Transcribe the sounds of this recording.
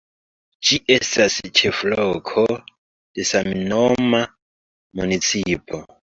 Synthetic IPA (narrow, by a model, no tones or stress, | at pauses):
t͡ʃiʔɛsasit͡ʃʰɛfulɔkʰɔ | dɛsaminɔma | munit͡sʰiːpʰɔ